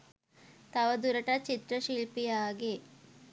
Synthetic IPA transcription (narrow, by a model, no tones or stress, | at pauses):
t̪ɐʋɐd̪uɾɐʈat͡ʃit̪ɾɐʃiɭpijaːɡe